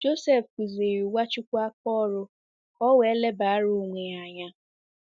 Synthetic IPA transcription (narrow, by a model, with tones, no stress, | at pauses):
d͡ʒo˦sɛ˦˨fku˨ze˨ɾi˨wa˦t͡ʃʊ˦kʷa˦kɔ˦ɾʊ˦ | ɔ˦we˨˦le˦ba˨a˦ɾo˨ŋʷe˨a˨ɲa˦